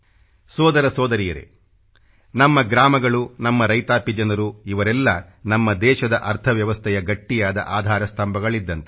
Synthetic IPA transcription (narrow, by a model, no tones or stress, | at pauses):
sɔːd̪ɐɾɐsɔːd̪ɐɾijɐɾḛ | nɐmːɐɡɾaːmɐɡɐɭunɐmːɐɾɐjt̪aːpid͡ʒɐnɐɾuiʋɐɾɛlːɐ | nɐmːɐd̪ɛːʃɐd̪ɐʔɐɾt̪ʰɐʋjɐʋɐst̪ʰɛjɐɡɐʈːijaːd̪ɐ̰ʔaːd̪ʱaːɾɐst̪ɐmbʱɐɡɐɭid̪ːɐnt̪e